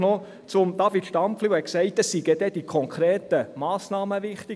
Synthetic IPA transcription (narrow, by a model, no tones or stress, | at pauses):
nɔ | t͡sʊmdɑfit̪ʃtɑmflywhɛksɛɪt̚dɑsːiɡəd̥ɛd̥ikʰɔŋkʰɾeːtəmɑːsnɑːməʋɪχt̪ɪ